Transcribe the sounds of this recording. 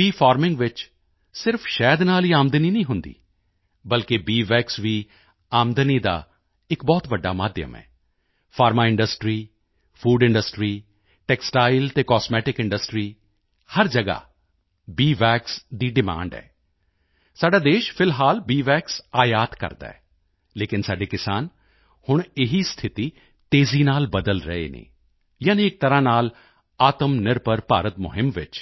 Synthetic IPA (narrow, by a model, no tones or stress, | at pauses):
biːfʰaːɾmɪ̃ŋɡʋɪt͡ʃ | sɪɾpʰʃɛːd̪naːliːaːmd̪əniːnĩːɦʊnd̪ḭː | bəlkebiːʋɛːksʋiː | aːmd̪əniːd̪a̰ː | ɪkbɔːt̪ʋəɖːa̰ːmaːd̪jə̰mɛ̰ː | pʰaːɾmaːɪ̃ɳɖəsʈɾiː | pʰuːɖɪ̃ɳɖəsʈɾiː | ʈɛːksʈaːɪlt̪eːkɔːsmɛːʈɪkɪ̃ɳɖəsʈɾiː | həɾd͡ʒəɡa̰ː | biːʋɛːksd̪iːɖɪma̰ːɳɖɛ̰ː | saːɖaːd̪eːʃpʰɪlɦaːlbiːʋɛːksaːjaːt̪kə̰ɾd̪a̰ːɛ̰ː | leːkɪnsaːɖekɪsaːn | hʊɳ̃ɪɦiːst̪ʰɪt̪iː | t̪eːziːnaːlbəd̪əlɾə̰ḛːnḛː | jaːniɪk̚t̪əɾãːnaːl | aːt̪əmnɪɾpəɾpa̰ːɾət̪mʊ̰ɦɪmʋɪt͡ʃ